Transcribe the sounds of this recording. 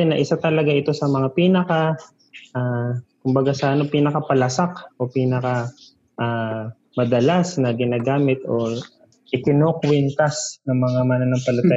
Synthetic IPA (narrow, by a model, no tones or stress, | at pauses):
ɛnɐʔɪsat̪ɐlɐɡaʔɪt̪o̞sɐmɐŋapiːnɐka | ʔaːkʊmbɐɡasɐʔɐnopiːnɐkapɐlɐsakʔo̞piːnɐka | ʔaː | mɐd̪ɐlasnɐɡɪnaːɡaːmɪt̪o̞ | ʔɪt̪ɪnokwɛnt̪ɐsnɐŋmɐŋamanɐnɐŋpɐlʊt̪a